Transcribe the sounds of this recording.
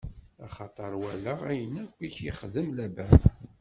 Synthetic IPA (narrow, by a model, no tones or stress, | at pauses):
ɑχɑt̪ˤəɾˤwælːəʁæjənækʷːiçjiχəðəmlæbæ